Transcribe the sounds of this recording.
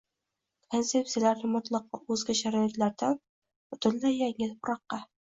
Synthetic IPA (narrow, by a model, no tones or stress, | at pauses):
kʰonsepsialaɾnɪmʊt̪lˠɑqʰɑɵzɡʲɪʃaɾɒjɪt̪laɾd̪̥an | ʊt̪ʰʊlːɪjaŋːɪt̪ʰʊ̥pɾɑqːɑ